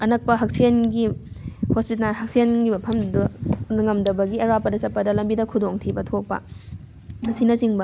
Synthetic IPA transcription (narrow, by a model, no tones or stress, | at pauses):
ɐnɐk̚pɐɦɐk̚sijɐnɡihospitnanɦɐksijenɡimɐpʰɐmdunɐŋɐmdɐbɐɡieɾapːɐdɐsɐt̚pːɐdɐlɐmbidɐkʰudoŋtʰibɐtʰok̚pɐ̰ | mɐsinɐsiŋbɐ